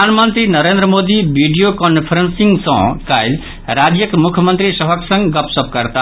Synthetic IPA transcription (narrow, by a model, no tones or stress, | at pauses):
anmənt̪ɾinʌɾend̪ɾəmod̪ibʱiɖijokɔnpʰɾensiŋɡsʌ̰̃kajl | ɾad͡ʒjəkmukʰjəmənt̪ɾisʌɦʌksʌ̃ŋɡɡʌpsʌp̚kʌɾt̪a